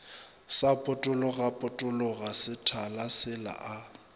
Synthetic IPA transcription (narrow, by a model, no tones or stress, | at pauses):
sapʼʊtʼʊlɔɣapʼʊtʼʊlɔɣasɪtʰalasɪla̰ʔa